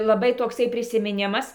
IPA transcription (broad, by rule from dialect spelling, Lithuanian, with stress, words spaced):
lˠɐˈbɐɪ toːkˈsɐɪ pʲrʲɪsʲɪmʲɪˈnʲɪmɐs